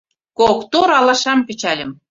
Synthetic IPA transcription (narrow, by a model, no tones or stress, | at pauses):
kokt̪oɾɑlɑʃɑmpʲet͡ɕælʲə̆m